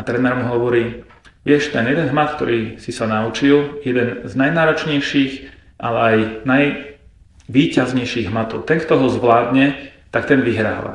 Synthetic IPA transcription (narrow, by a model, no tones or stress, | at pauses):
at̪ɾɛnɛɾmuɦɔʋɔɾiː | ʋɪɛʃt̪ɛnjɛd̪ɛnɦmat̪k̚t̪ɔ̰ɾiːsisanaut͡ʃiljɛd̪ɛnznajnaːɾɔt͡ʃɲɛjʃiːx | ʔalɛajnaj | ʋiːcazɲɛjʃiːɣɦmat̪ɔʊt̪ɛŋkt̪ɔɦɔzʋlaːd̪ɲɛ | t̪ak̚t̪ɛnʋiɦɾa̰ːʋa̰